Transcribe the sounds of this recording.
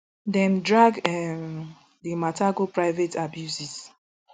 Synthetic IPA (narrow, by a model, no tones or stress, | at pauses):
dɛ̃mdɹaɡɛ | dimataɡopɹaɪvetabjusis